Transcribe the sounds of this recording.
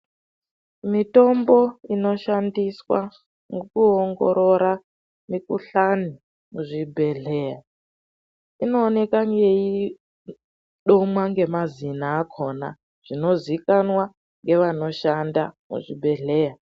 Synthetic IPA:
mito̞mbo̞ino̞ʃandiswa̰ | ŋɡokuoŋɡo̰ɾo̞ɾa | mikuɬani | muʐibʱe̞ɮe̞ja | ino̞ːne̞kaŋɡe̞ji | ɗomwaŋɡe̞mazinaːkʰo̞na̰ | ʐ̥ino̞zikanwa | ŋɡe̞ʋano̞ʃanda̰mṵʐibʱe̞ɮeja

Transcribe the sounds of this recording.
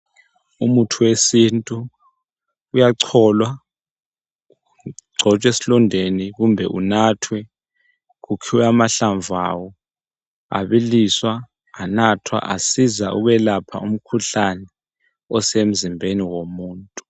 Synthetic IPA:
umutʰuwesintʼu | jaǀʰɔːlwa | ɡ͡ǀʱɔt͡ʃʼwesilɔndʱeniɣ̬umbʱɛʔunaːtʰwɛ | k̬ukʰiwɛamaɬaɱvʱa̰wɔ | a̰ɓiliswaː | natʰwa̰ʔasizaʔṵɣ̬wɛlapʰa̰um̩kʰuɬanɛ | ɔsem̩zimbʱeniwomuːntʼu̥

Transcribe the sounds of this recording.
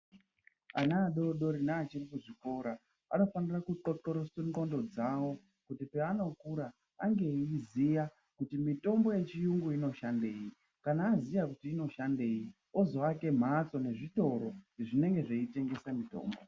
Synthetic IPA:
a̰naːɗo̞ɗo̞ɾinaːt͡ʃirikuʐiko̞ːɾa | a̰no̞fanirakuǃoǃoɾosuɡo̞ndo̞d͡zawo̞ | kutipeano̞kuɾa | aŋɡe̞izija | kutimito̞mbo̞je̞t͡ʃijuŋɡuino̞ʃande̞ːji | kanaːzijakutiːno̞ʃande̞ːji | o̞zo̞ake̞m̤at͡so̞ne̞ʐito̞ɾo̞iʐine̞ŋɡe̞ʐeite̞ŋɡe̞samito̞̰ːmbo

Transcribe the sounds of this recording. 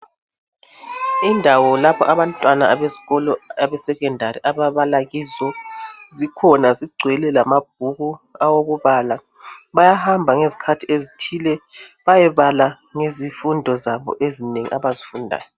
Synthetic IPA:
indʱawɔlapʰɔ̰ʔaβantʼwanaaβeziɣɔlɔaβɛsɛkɛndʱariʔaβaβalaɣizɔzikʰɔnaziɡ͡ǀʱwɛlɛlamab̥̚ʱuɣuawoɣuβala | βajahambʱaŋezi̥kʰatʰiezitʰiːlɛβajɛβala | ŋezifundʱɔzaβɔ̰ʔezineŋḭʔaβazifundʱa̰ːjɔ

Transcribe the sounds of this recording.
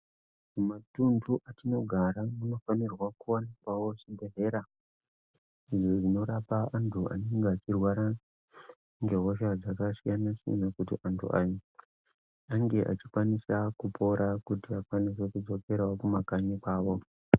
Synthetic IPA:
mumatunduʔatino̞ɡʱaɾamuno̞fanirwakuwanikwawo̞ʐibʱeɦe̞ɾa | iʐoʐino̞ɾapaːntʰua̰ne̞ŋɡeat͡ʃirwaɾa | ŋɡeɦo̞ʃad͡zakasijanasijḛnakutḭʔantʰṵʔai | aŋɡe̞ʔa̰t͡ʃikwanisakupʰo̞ɾakutiakwanis̬e̞kud͡zo̞ke̞ɾaokumakaɲekwaːʋo̞

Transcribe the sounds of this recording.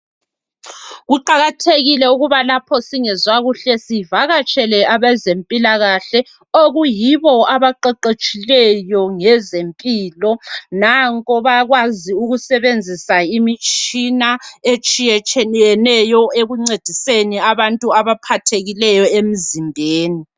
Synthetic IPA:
ɣuǃaɣatʰeɣilɛuɣuβalapʰɔsiŋɛzwaɣuɬɛsivaɣat͡ʃʼɛlɛʔaβɛzempʼilaɣaɬɛ | oɣujiβɔaβaǃɛǃet͡ʃʼilɛjɔŋɛzempʼiːlɔnaŋkʼɔβaɣwaziuɣusɛβend͡zʱisaimit͡ʃʼinaet͡ʃʼijɛt͡ʃʰʼɛɛnɛjɔeɣuŋ͡ǀed̥ʱiseniaβantʼuaβapʰatʰeɣilɛjɔem̩zimbʱeːni

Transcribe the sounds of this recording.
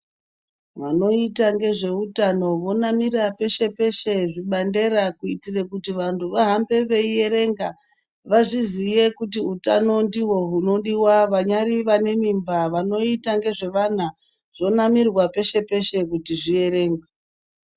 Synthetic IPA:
ʋano̞itaŋɡe̞ʐe̞utano̞ʋo̞namirape̞ʃe̞pe̞ʃe̞ʐiɓande̞ɾakuitirekutiʋantʰuʋaɦambe̞ʋe̞ije̞ɾe̞ŋɡa | ʋaʐizije̞kutiutano̞ndiwo̞ɦuno̞ɗiwaʋaɲaɾiʋane̞mimbaʋano̞itaŋɡe̞ʐe̞ʋan̤a | ʐ̥o̞namirwape̞ʃe̞pe̞ʃe̞kutiʐie̞ɾe̞ːŋɡa

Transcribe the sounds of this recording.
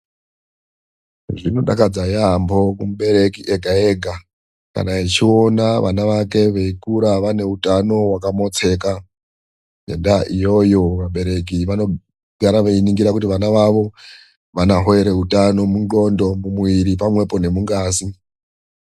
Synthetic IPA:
ʐino̞ɗa̰kad͡zajambo̞kumuɓe̞ɾe̞kiʔeɡʱaeɡʱa | ka̰nait͡ʃio̞naʋʔa̰naʋake̞ʋeikuɾaʋane̞utano̞wakamo̞t͡se̞ːka | ḛndaʔijo̞jo̞ʋaɓe̞ɾe̞k̬iʋano̞ | ɡʱaɾaʋeiniŋɡiɾakutiʋanaʋaʋo̞ | ʋanaɦoeɾe̞utano̞munɡo̞ndo̞mumwiɾipamwe̞po̞ne̞muŋɡaːsi

